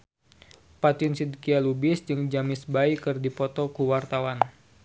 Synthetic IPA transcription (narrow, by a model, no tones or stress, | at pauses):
pat̪ɪnsid̪kialubɪsd͡ʒɨŋd͡ʒamɪsbaikɨrdipɔt̪ɔkuwart̪awan